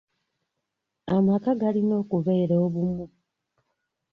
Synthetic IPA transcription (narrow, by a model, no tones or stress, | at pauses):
amakaɡalino̞ːkuβe̞ːɾeoβumu